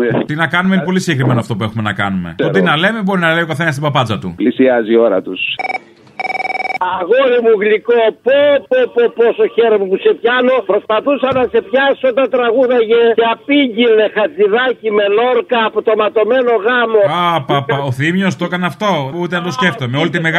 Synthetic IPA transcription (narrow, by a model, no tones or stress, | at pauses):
t̪inɐkɐnumeinepo̞lisiɟekɾime̞noɐft̪o̞pue̞xume̞nɐ̰kɐ̰numḛtot̪inɐle̞me̞bo̞ɾinɐlo̞kɐθenɐst̪ibɐpɐd͡zɐt̪ṵplisiɐzio̞ɾɐ̰t̪us | ɐɣolimuɣlikopopopoposoçeɾomupuse̞pçɐno̞pɾospɐθusɐnɐse̞pçɐsot̪ɐt̪ɾɐɣuðɐʝeeɐpiʝilːexɐt͡siðɐcime̞lo̞ɾkɐːpot̪o̞mɐt̪o̞me̞no̞ɣɐmo̞apɐpɐoθimjost̪o̞kɐnɐft̪o̞ut̪enɐt̪o̞sce̞ft̪omeo̞lit̪imeɣ